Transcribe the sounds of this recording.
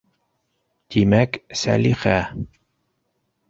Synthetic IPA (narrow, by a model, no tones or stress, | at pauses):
t̪imæksæ̰lixæ